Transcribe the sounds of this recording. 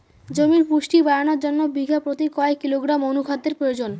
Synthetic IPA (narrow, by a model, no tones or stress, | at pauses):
d͡ʑomiɾpuʃʈibaɾanoɾd͡ʑonːobiɡʱapɾot̪ikɔekːiloɡɾamonukʰad̪ːeɾpɾojod͡ʑon